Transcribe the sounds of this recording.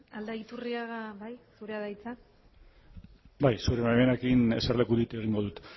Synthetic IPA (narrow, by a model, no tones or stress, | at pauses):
ald̪ait̪uriaɣaβajsuɾeaðajt͡sa | bajsuɾemamenekine̞serle̞kuðit̪e̞ɣ̞iŋɡo̞ðut̪